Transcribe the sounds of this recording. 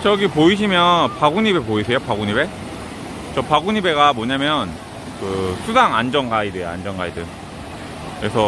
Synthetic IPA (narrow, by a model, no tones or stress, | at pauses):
t͡ɕʌɡipoiɕ̬ʰimjʌnpaɡuɲibe̞poisʰe̞jopaɡuɲibe̞ | t͡ɕʌpaɡuɲibe̞ɡamwʌɲamjʌn | kɯsʰusʰaŋand͡ʑʌŋɡaidɯja̰nd͡ʑʌŋɡa̰idɯ | kɾesʰʌ